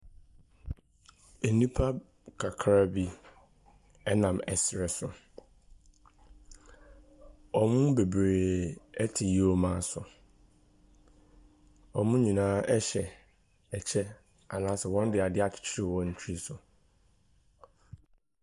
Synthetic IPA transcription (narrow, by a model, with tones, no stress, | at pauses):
e˨nĩ˦pʰa˦ | kʰa˨kʰɾa˦bi˦ | ɛ˦nã˨mɛ˨sɾɛ˨sʊ˨ | ɔ˨mũ˦be˨bɾeː˨ɛ˦tʰɪ˨ji˦ɔ˨mãː˦sʊ˨ | ɔ˨mũ˦ɲĩ˨nãː˦ɛ˦ɕɛ˨ | ɛ˨t͡ɕʰɛ˦ | a˨nãː˦sɛ˨wɔ̃˦n˦dɪ˨a˨dɪ˦a˨t͡ɕʰɪ̥˨t͡ɕʰɪ˦ɾi˦˨wɔ̃˦n̩˨t͡ɕʰi˦sʊ˨